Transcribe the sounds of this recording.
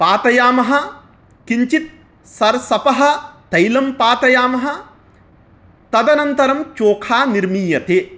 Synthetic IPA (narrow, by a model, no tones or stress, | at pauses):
paːt̪ɐjaːmɐɦɐ̆ | kiɲt͡ʃit̪̚ | sɐɾsɐpɐɦɐ̆t̪ɐjlɐmpaːt̪ɐjaːmɐɦɐ̆ | t̪ɐd̪ɐnɐnt̪ɐɾɐmt͡ʃoːkʰaːniɾmiːjɐt̪eː